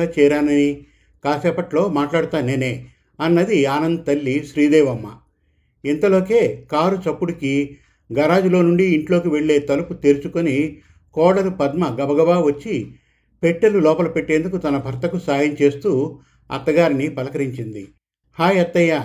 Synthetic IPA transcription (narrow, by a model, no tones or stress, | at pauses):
aːt͡ʃɛːɾaːnɐni | kaːsɛːpɐʈlo̞ːmaːʈlaːɽut̪aːneːne̞ː | ɐnːɐd̪iaːnɐnd̪ɐt̪ɐlːiʃɾiːd̪ɛːʋɐmːɐ̰ | int̪ɐlo̞ːke̞ːkaːɾut͡ʃɐpːuɽiki | ɡɐɾaːd͡ʒulo̞ːnuɳɖiːɳʈlo̞ːkiʋe̞ɭːe̞ːt̪ɐluput̪eːɾut͡ʃukoni | kɔːɽɐɾupɐd̪mɐɡɐbɐɡɐbaːʋɐt͡ʃːi | pe̞ʈːelːulɔːpɐlɐpe̞ʈːe̞ːnd̪ukut̪ɐnɐbʱɐɾt̪ɐkusaːjɐɲt͡ʃe̞ːst̪uː | ɐ̰t̪ːɐɡaːɾinipɐlɐkɐɾiɲt͡ʃind̪i | haːjɐt̪ːɐja